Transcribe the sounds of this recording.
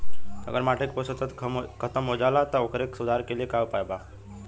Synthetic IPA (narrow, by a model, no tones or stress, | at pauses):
ə̰ɡəɾmaʈʰekposət̪ət̪ʰkʰət̪əmɦod͡ʒalat̪əokəɾeksud̪ʱaɾkelijekawpajba